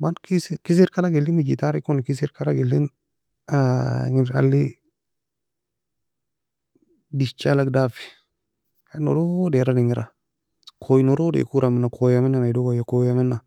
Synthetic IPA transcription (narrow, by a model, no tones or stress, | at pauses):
mankiskis̬iɾkalaɡelinid͡ʒit̪aɾikonkis̬iɾkalaɡelːin | aŋia̰lːi | dist͡ʃalaɡdafi̥ | ano̰ɾodeɾaniŋiɾa | kʰojnoɾodḛkuɾaminakʰojaminanaidoɡajakojaminːa